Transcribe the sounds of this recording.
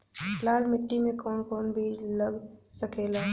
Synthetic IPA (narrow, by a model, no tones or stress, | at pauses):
plaːɾmɪʈːimẽkɔːnkɔːnbʱiːd͡ʒləɡsəkeːlaː